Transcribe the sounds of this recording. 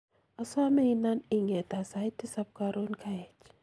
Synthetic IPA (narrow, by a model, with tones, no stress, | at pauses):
a˨sa˦me˦ina˦ni˨ŋɛ˨t̪a˨sa˨˦jti˦sap̚kaɾo˦nkʰaɛ˨t͡ʃ